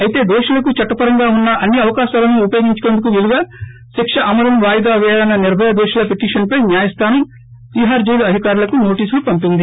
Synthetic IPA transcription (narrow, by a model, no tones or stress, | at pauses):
ɐjit̪e̞ːd̪ɔːʂɐlɐkut͡ʃɐʈːɐpɐɾɐŋɡaːunːɐʔɐnːiɐʋɐkaːʃaːlɐnuupɐjoːɡiɲt͡ʃu̥keːnd̪uk̬uʋiluɡaː | ʃikʂɐʔɐmɐɾɐmʋaːjd̪aːʋɛjaːlɐnːɐniɾbʱɐjɐd̪oːʂɐlɐpeʈiːʂɐnpɐjnjaːjɐst̪ʰaːnɐm | ʋiːɦaːɾd͡ʒɐjluɐd̪ʱikaːɾulɐkuno̞ːʈiːslupɐmpind̪i